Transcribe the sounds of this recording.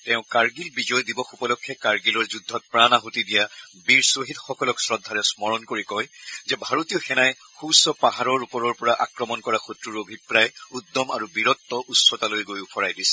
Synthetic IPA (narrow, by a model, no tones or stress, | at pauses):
tɛʊ̃kaɹɡilbizɔjdibɔxupɔlɔkʰːɛkaɹɡilɔɹzudʱːɔt̚pɹanaɦutidijabiɹsoɦitxɔkɔlɔksɹɔdʱːaɹɛsmɔɹɔnkoɹikɔjzɛbʱaɹotijɔxɛnaj | xusɔpaɦaɹɔɹupɔɹɔɹpɔɹaʔa̰kɹɔmɔnkɔɹaxutɹuɹobʱipɹajudːɔma̰ɹubiɹɔtːɔʔutsɔtalojɡojupʰɔɹajdisɛ̥